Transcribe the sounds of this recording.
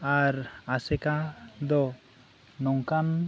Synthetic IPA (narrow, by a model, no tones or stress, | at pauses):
aɾasɛkad̪ɔ | nɔŋkan